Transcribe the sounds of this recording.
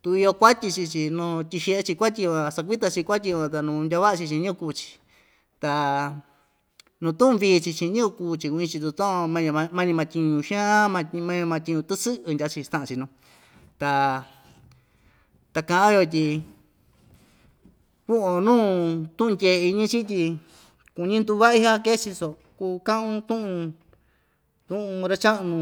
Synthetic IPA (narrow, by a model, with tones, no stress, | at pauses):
t̪u˧i˧o˧kʷa˦t̪ʲi˧t͡ʃi˧t͡ʃi˧nũ˧t̪ʲi˧ʃe˧e˦˧t͡ʃi˧kʷa˦t̪̬ʲi˧ã˧sa˧k̬ʷi˦t̪a˧t͡ʃi˧kʷa˦t̪̬ʲi˧ã˧t̪a˧nũ˧ndʲa˧βa˦ʔa˧t͡ʃi˧t͡ʃĩ˧ɲĩ˦ũ˧ku˧t͡ʃi̥˧ | t̪a˧ | nũ˧t̪ũ˦ʔũ˧βi˧t͡ʃi˧t͡ʃĩ˧ɲĩ˦ũ˧kuː˧t͡ʃi˧u˧ĩ˧t͡ʃi˧t̪̬u˧t̪õ˦õ˧mã˧ã˧mã˦ɲĩ˧mã˧t̪ʲi˧ɲũ˧ʃã˦a˦mã˧mã˦ɲ̃˧mã˧t̪ʲi˧ũ˧t̪ɨ˦sɨ˦ʔɨ˧ndʲa˧˦t͡ʃi˧st̪ã˦˧ʔã˧t͡ʃi˧nũ˧ | t̪a˧ | t̪a˧kã˧˨ʔã˦jo˧t̪̬ʲi˧ | ku˦o˧nũː˦˧t̪ũ˦ʔũ˧ndʲe˧˨˧i˧ɲĩ˦t͡ʃi˦t̪̬ʲi˧ | ku˧ɲĩ˦nd̪u˧βa˦i˦ɦa˦ke˦t͡ʃi˧so˨ | kuː˧kã˦ʔũ˧t̪ũ˦ʔũ˧ | t̪ũ˦ʔũ˧ɾa˦t͡ʃa˦ʔnũ˧